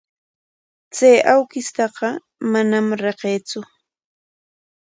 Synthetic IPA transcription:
t͡sajawkɪst̪ɑqɑ | manamɾeqeːt͡sʊ

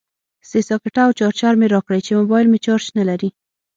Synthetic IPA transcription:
sesɑkɪʈaːwt͡ʃɑɾt͡ʃaɾmeɾɑkɽajt͡ʃemobɑjɪlmet͡ʃɑɾt͡ʃnalaɾi

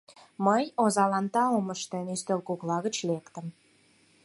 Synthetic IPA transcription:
məjozɑlɑnt̪ɑoməʃt̪enyst̪ølkuklɑɣə̆t͡ɕlekt̪ə̆m

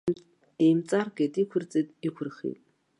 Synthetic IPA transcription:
eːmt͡sʼarɡetʼikʷʰʊrt͡sʼetʼikʷʰʊrχḭtʼ

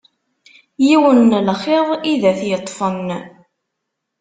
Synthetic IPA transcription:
jiwənːlχeðˤiðæθjət̪ˤːfən

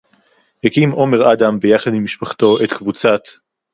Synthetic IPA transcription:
hekimʔo̞me̞ʁad̪ambejaχad̪mimiʃpaχt̪o̞ʔet̪kvut͡sat̪

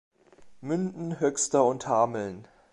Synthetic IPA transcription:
mʏndn̩ɦœkstɐʊnthaːml̩n

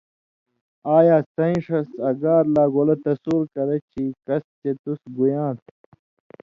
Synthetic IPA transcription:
aːjaːsɐĩʂɐsɐɡaːɾlaːɡolɐt̪ɐsuːɾkɐɾɐt͡ɕʰiːkɐst͡ɕet̪usɡujãːt̪̚

